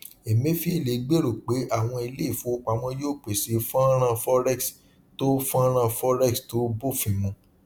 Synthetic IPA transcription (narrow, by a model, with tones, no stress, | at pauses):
e˨mẽ˨˦fi˦e˨le˨˦ɡ͡be˦ɾo˨k͡pe˨˦ʔa˦˨w̃ɔ̃˧i˧le˦i˦˨fo˨˦˧k͡pa˨wɔ̃˧joː˦˨k͡pe˨si˨˦fã˦ɾ̃ã˦fɔ˦ɾɛ˦˨ks | to˦fã˦ɾ̃ã˦˧fɔ˦ɾɛ˦˨ksto˦bo˦˨fĩ˨˧mũ˧˦